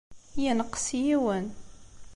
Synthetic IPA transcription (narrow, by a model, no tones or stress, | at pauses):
jənəqːsjiwən